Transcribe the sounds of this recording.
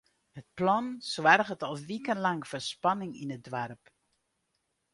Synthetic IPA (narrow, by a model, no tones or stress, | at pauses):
hət̚plɔnswarɣətɔlˠʋikənlɑŋfərspɑnɪŋinət̚dʋarp